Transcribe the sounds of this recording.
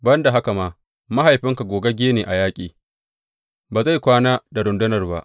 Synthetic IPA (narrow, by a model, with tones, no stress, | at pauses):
bɐ˦nda˨ɦa˦ka˨maː˦ | ma˦ha˨jɸɪ˦ŋka˨ɡʷoː˨ɡa˦ɡʲeː˦neː˨ʔa˨jaː˦kʲʼiː˨ | baː˨za˦jkʷaː˦naː˦da˨ɾʊ˨ndʊ˦nɐ˨rba̰˦ʔ